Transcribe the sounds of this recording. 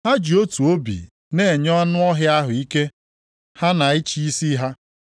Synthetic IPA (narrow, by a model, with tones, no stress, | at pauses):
ɦa˦d͡ʒi˨o˦tu˨o˦bḭ˨ | ne˨ɲɔ˦a˦nʊ˦ɔ˦ɦja˦ɦʊ˨i˦ke˦ | ha˦na˨i˦t͡ʃi˦i˦si˦ɦa˦